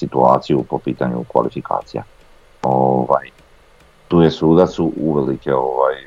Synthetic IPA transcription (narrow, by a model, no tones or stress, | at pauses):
sit̪ua̰ːt̪sijupo̞piːt̪aɲṵkʋa̰lifikʰa̰ːt̪sija̰ | oːʋaj | t̪ujesuːd̪asuʔuʋelikeoʋaːj